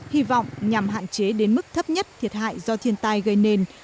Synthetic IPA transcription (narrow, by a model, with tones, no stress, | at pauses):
hi˧vɔ̰˧˨wŋ͡mɲa˨˩mɦa̰ː˧˨nt͡ɕe˨˦ɗe˨˦nmɨ˦˥k̚t̪ʰə˦˥p̚ɲə˦˥t̚t̪ʰi˨˩ət̚ha̰ː˧˨jzɔ˧t̪ʰi˧ənt̪a˧jɣə˧jne˧n